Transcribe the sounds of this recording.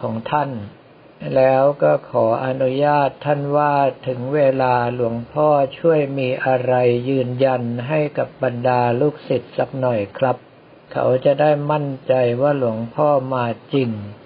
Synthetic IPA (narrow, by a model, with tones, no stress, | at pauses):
kʰɔː˩˦ŋt̪ʰa˥˩n | lɛː˦˥wkɔː˥˩kʰɔː˩˦ʔa˧nu˦˥jaː˥˩t̪ʰːa˥˩nwaː˥˩t̪ʰɯ˩˦ŋweː˧laː˧lu˩˦əŋpʰɔː˥˩t͡ɕʰu˥˩əjmiː˧ʔa˧ɾa˧jːɯː˧nja˧nɦa˥˩jka˨˩p̚ba˧ndaː˧luː˥˩k̚si˨˩t̪̚sa˨˦k̚nɔ˨˩jkʰɾa˦˥p̚ | kʰa̰˦˥wt͡ɕa˨˩daː˥˩jma˥˩nt͡ɕa˧jwaː˥˩lu˩˦əŋpʰɔː˥˩maː˧t͡ɕi˧ŋ